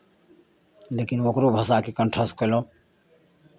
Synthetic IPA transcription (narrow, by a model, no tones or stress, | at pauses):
lekinokɾobʱəsakekəɳʈʰəskəlo